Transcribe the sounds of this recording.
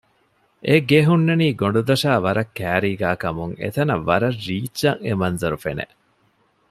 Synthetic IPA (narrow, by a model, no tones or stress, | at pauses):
ʔeɡeɦunːɐniːɡoɳɖud̪ɐʃaːʋɐɾɐkːæːɾiːɡæːkɐmuŋḛt̪ɐnɐʋːɐɾɐrːiːt͡ʃːɐŋemɐnzɐɾufḛnḛʔ